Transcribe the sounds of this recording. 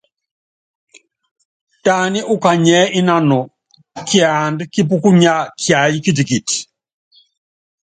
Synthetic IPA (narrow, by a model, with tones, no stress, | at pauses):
ta˨ni˦ʔu˦ka˨ɲɛ˦ʔi˦na˦nɔ˨ | kja˨ndki˦p̬u˦ku˦ɲa˦kja˨ji˦ki˦t̬i˨ki˨ti̥˨